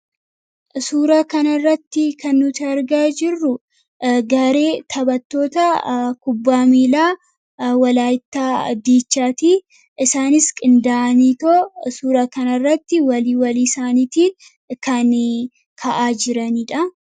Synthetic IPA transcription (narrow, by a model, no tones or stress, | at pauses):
suːɾaːkɐnɐrːɐt̪ːɪkɐnːʊt̪ɪɐɾɡaːd͡ʒɪrːʊ | ɡɐɾeːt̪ʰɐbɐt̪ːo̞ːt̪ɐkʊbːaːmiːlaː | wɐlaːjɪt̪ːaːd̪iːt͡ʃːaːt̪iː | ʔɪsaːnɪskʼɪnd̪aːʔɐniːt̪osuːɾaːkɐnɐrːɐt̪ːɪwɐliːwɐliːsaːniːt̪i | kɐn | kʰɐʔaːd͡ʒɪɾɐniːᶑɐ